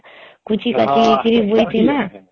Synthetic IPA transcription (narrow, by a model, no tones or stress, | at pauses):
kut͡ʃikatitiɾivuitema